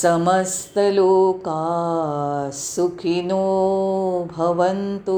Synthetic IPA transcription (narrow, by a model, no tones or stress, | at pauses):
sɐmɐst̪ɐloːkaː | sukʰinoː | bʱɐʋɐnt̪u